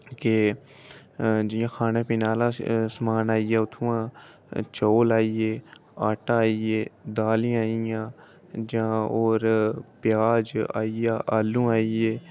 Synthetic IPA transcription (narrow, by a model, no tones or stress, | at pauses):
ke | d͡ʒɪjãːxʰaːnẽːpɪnaːlãːsəmaːnaːijaːʊt̪ʰũːãː | t͡ʃoːlaːijeːaːʈaːaːijeːd̪aːlĩaːijãː | d͡ʒãːoːɾpɪjaːd͡ʒa̰ːijaːʔaːlũːaːijeː